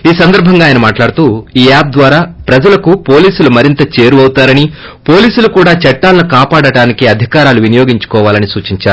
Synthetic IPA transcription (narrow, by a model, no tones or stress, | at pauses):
iːsɐnd̪ɐɾbʱɐŋɡaːjɐnɐmaːʈlaːɽut̪uːiːaːp̚d̪ʋaːɾaːpɾɐd͡ʒɐlɐkupo̞ːliːsulumɐɾint̪ɐt͡ʃe̞ːɾuɐwt̪aːɾɐni | po̞ːliːsulukuːɽaːt͡ʃɐʈːaːlɐnukaːpaːɽɐɽaːnikiɐd̪ʱikaːɾaːluʋinijoːɡiɲt͡ʃu̥kɔːʋaːlɐnisuːt͡ʃiɲt͡ʃaːɾuu